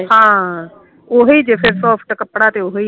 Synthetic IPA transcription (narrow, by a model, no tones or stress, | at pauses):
ɦãː | ʊɦid͡ʑeːfesɔːfʰʈkɐpɽat̪eʊɦei